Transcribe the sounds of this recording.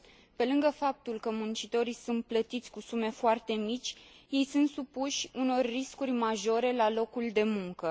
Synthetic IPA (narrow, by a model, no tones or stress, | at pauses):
pe̞lɨŋɡəfap̚t̪ulkəmunt͡ʃit̪o̞ɾijsunt̪̚plət̪it̪sʲkusume̞foart̪e̞mit͡ʃʲje̞jsunt̪supuʃʲuno̞rːiskurʲmaʒo̞ɾe̞lalo̞kuld̪e̞muŋkə